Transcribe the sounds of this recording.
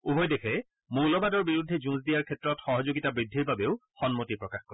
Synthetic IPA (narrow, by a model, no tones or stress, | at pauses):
ubʱɔjdekʰɛ | muɹlɔbadɔɹbiɹudʱːɛzũs̬dijaɹkʰɛtɹɔtxɔɦɔzoɡitabɹidʱːiɹbabeʊxɔnmotipɹɔkaxkɔɹɛ